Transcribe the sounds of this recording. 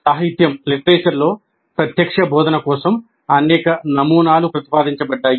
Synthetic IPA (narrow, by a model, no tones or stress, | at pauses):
saːɦit̪jɐmliʈɐɾeːt͡ʃɐɾlo̞ː | pɾɐt̪jɐkʂɐbɔːd̪ɐnɐkɔːsɐm | ɐnɛːkɐnɐmuːnaːlupɾɐt̪i̥paːd̪iɲt͡ʃɐbɐɖːaːj